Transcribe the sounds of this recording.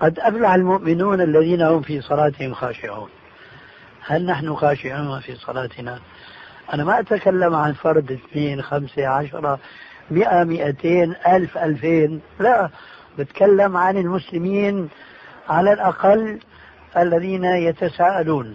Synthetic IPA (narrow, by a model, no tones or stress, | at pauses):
qɑd̪ʔaflaħɪlmʊʔmɪnuːnalːaðiːnahʊmfisˤɑlɑːt̪ɪhɪmxaːʃɪʕṵːn | halnaħnʊxaːʃɪʕuːnafiːsˤɑ̰lɑːt̪ɪna | ʔanamaʔat̪akalːamʕanfɑɾˤd̪ɪθneːnxamseʕaʃɑɾˤɑ | mɪʔamɪʔat̪eːnʔalfʔalfeːn | laʔ | bɪt̪kalːamʕanɪlmʊslɪmiːn | ʕalalʔaqɑlː | ʔalːaðiːnajat̪asaːʔaluːn